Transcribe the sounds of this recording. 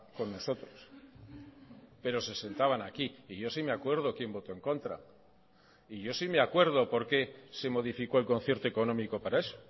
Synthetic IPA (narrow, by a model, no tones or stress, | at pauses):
ko̞nːo̞so̞t̪ɾos | pe̞ɾo̞se̞se̞nt̪aβ̞anakiːʝo̞simeakwe̞ɾð̞okjembo̞t̪o̞e̞ŋko̞nt̪ɾa̰ | iʝo̞simeakwe̞ɾð̞o̞po̞ɾke̞se̞mo̞ð̞ifiko̞e̞lko̞nθje̞ɾt̪oekonõ̞miko̞paɾae̞so̥